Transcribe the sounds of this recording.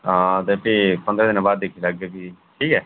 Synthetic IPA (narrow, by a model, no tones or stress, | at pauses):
t̪eːpiːpənd̪ɾɛːd̪ɪnãbaːd̪̚ːekʰilaɡeːbiːʈʰiːkɛː